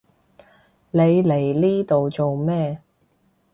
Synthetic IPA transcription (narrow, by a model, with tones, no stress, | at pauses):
le˨˧jle˨˩jliː˥t̪o˨wt͡so˨wmɛː˥